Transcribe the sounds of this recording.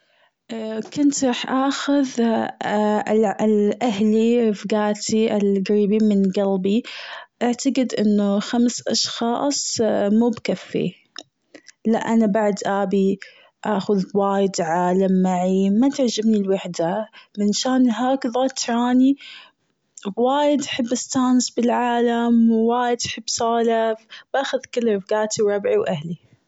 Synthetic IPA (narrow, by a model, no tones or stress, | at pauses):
kʊnt̪ɾˤɑːħʔaːxʊð | llʔaɦlifɡaːt̪ʰiʔɪlɡaɾiːbiːnmɪnɡalbiʔaʕt̪aɡɪd̪ʔɪnːʊxamsʔɑʃxɑːsˤmuːbkafːḭ | la̰ʔanabaʕd̪ʔaːbi | ʔaːxʊðwaːjɪd̪ʕaːlamːaʕimat̪ɪʕd͡ʒɪbnilwaħd̪amɪnʃaːnɦaːkðˤɑːt̪ɾˤɑːni | waːjɪd̪ʔaħɪbːɪst̪aːnsbɪlʕaːlamwwaːjɪd̪ʔaħɪbːsˤaːlafb̥aːxʊðkɪlːɾfɡaːt̪iwɾˤɑbʕiwʔahli